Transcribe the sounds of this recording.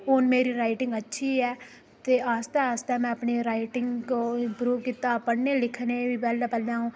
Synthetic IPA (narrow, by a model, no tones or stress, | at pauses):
ɦoːnmeːɾiːɾaːɪʈɪŋɡətːʃʰiːɛː | t̪eːaːst̪ɛːəst̪ɛːmɛ̃əpɳeːɾaːiʈɪŋɡkoːpɾuːpkiːt̪aːpəɽneːlɪkʰneːʋiːbɛːldapəlãːɦũː